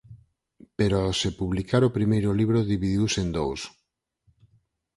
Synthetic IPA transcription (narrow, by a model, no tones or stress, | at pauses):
peɾosepuβlikaɾopɾimejɾʊliβɾʊðiβiðiwsend̪ows